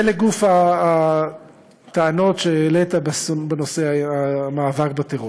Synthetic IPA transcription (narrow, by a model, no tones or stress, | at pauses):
eleɡufaː | t̪aano̞tʃeːlet̪abesobenoseaamaːvakbat̪eʁo